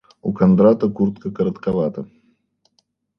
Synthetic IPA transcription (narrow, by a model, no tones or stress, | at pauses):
ukɐnd̪ɾat̪əkurt̪̚kəkəɾət̪kɐvat̪ə